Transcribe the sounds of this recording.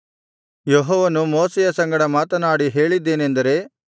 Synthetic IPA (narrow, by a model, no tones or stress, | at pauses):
jeɦɔːʋɐnumoːsɛjɐsɐŋɡɐɽɐmaːt̪ɐnaːɽiɦe̞ːɭid̪ːe̞ːnend̪ɐɾe̞ː